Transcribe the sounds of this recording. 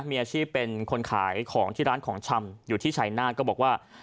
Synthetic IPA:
miː˧ʔaː˧t͡ɕʰiː˥˩pːe˧nkʰo˧nkʰaː˩˦jkʰɔː˩˦ŋt̪ʰiː˥˩ɾaː˦˥nkʰɔː˩˦ŋt͡ɕʰa˧mjuː˨˩t̪ʰiː˥˩t͡ɕʰaː˨˩jnaː˥˩kɔː˥˩bɔː˨˩k̚waː˥˩

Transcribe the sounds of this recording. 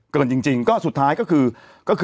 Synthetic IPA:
kəː˨˧˩nt͡ɕï˧˩ŋ̟t͡ɕï˨˩ŋ̟kɔ˨˦su˨˩t̪̚ʰaː˨˦jkɔ˨˦˥kɨ˧˩ | kɔ˨˦˥x

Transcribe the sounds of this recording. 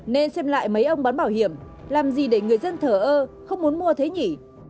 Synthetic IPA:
ne˧nsɛ˧mla̰ː˧˨jmə˨˦jʔə˧wŋ͡mɓaː˨˦nɓaː˧˩whi˧˩əm | laː˨˩mzi˨˩ɗe˧˩ŋɨ˨˩əjzə˧nt̪ʰəː˧˩ʔəː˧xə˧wŋ͡mmu˨˦ənmu˧ət̪ʰe˨˦ɲi˧˩

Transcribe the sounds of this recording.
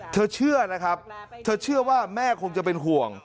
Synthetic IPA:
t̪ʰɤː˧t͡ɕʰɯ˥˩əna˦˥kʰɾa˦˥p̚t̪ʰɤː˧t͡ɕʰɯ˥˩ɐwaː˥˩mɛː˥˩kʰo˧ŋt͡ɕa˨˩p̬e˧nɦu˨˩əŋ

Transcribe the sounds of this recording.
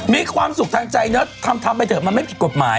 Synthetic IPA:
miː˧˥kʰwaː˧msu˨˩k̚t̪ʰaː˧ŋt͡ɕa˧jnɯ˦˥t̪ʰːa˧mt̪ʰa˧mpa˧jt̪ʰɤː˨˩maː˧ma˥˩jki˨˩ko˨˩t̪̚maː˩˦j

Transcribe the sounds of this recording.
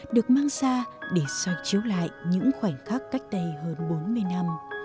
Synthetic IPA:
ɗɨ˨˩ək̚maː˧ŋsaː˧ɗe˧˩swa˨˩t̚t͡ɕi˨˦əwla̰ː˧˨jɲɨ̰˧˥ŋxwaː˧˩ŋxaː˦˥k̚ka˦˥jk̟̚t̪ə˧jɦəː˧nɓo˨˦nmɨ˧əjna˧m

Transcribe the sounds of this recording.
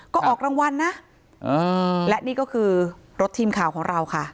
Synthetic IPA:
kɔː˥˩ʔɔː˨˩k̚ɾaː˧ŋwa˧nːa˦˥ʔ | ʔɤː˧lɛ˦˥ʔniː˥˩kɔː˥˩kʰɯː˧ɾo˦˥t̪ʰːiː˧mkʰaː˨˩wkʰɔː˩˦ŋɾa˧wkʰa˥˩ʔ

